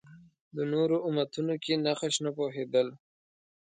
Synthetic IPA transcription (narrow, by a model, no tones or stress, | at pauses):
d̪ənoɾoʊmat̪unokenaxəʃnapoɦed̪əl